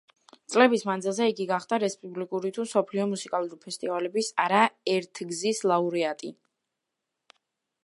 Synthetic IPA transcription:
t̪sʼlɛbismand̪zilˠzɛiɡiɡaχd̪aɾɛspʼublikʼuɾit̪ʰumsɔpʰliɔmusikʼalˠuɾipʰɛst̪ʼivalɛbisaɾaɛɾt̪ʰɡzislˠauɾiat̪ʼi

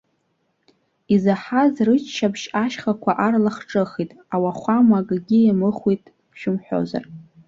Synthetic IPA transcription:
izaħazrɨt͡ʃʰʃabʃaʃχakʷʰaʔarlaχʈ͡ʂʼɨχitʼ | awaχʷamaɡʼɡʲiamɨχʷitʼ | ʃᶣʊmħʷᶣo̰za̰r

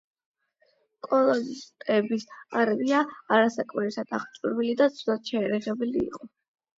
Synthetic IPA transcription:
kʼɔlˠɔzt̪ʼɛbisaɾviaaɾasakʼmɛɾisad̪̥aχt͡ʃʼuɾwilid̪at̪sʰɔd̪ʼat̪̚ʃɛːɾɛʁɛbɛlḭːqʼɔ

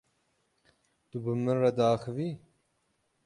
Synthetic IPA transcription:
t̪ubɨmɨnrɐd̪ɑːxɨviː

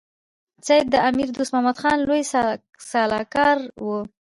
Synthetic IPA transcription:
t͡sajd̪̚d̪əamiɾd̪ust̪mamad̪xɑnlojs | sɑlɑkɑɾwu

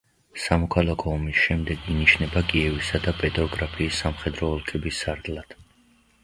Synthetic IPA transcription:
samɔkʰalˠakʰɔːmisʃɛmd̪ɛɡiniʃnɛbakʼiɛvisad̪apʼɛt̪ʼɔɡɾapʰiːsːamχɛd̪ɾɔːlˠkʰɛbisːaɾd̪lˠad̪̥

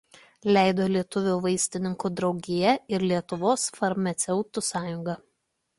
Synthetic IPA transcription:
lʲæˑɪd̪oːlʲiɛt̪ʊʋʲuːʋɐɪsʲt̪ʲɪnʲɪŋkud̪ɾɒʊɡʲɪjɛɪɾlʲiɛt̪ʊʋoːsfɐɾmɐt̪sʲɛʊt̪ʊsɑːjʊŋɡɐ

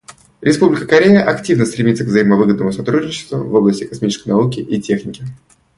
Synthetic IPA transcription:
ɾʲɪspublʲɪkəkɐɾʲejəʔɐktʲivnəst̪ɾʲɪmʲit̪səkvzəiməvɨɡəd̪nəmʊsɐt̪ɾudʲnʲɪt͡ɕɪ̥st̪vʊvo̞blˠəsʲtʲɪkɐsmʲit͡ɕɪ̥skəjnɐukʲɪʔitʲe̞xnʲɪkʲɪ

